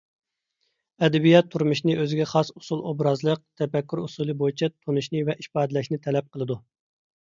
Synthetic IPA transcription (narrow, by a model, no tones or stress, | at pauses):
ɛd̪ɛbijɑt̪ʰːuɾmuʃnɨʔøzɪɡʲɛχɑsu̥sulˠobɾɑzlˠəq̚t̪ʰɛfɛkʲːyɾusulˠɨbojit͡ʃʰɛt̪ʰonɨʃnɨvɛʔiʃpɑːd̪lɛʃnɪt̪ʰɛlɛp̚qʰəlˠɨd̪u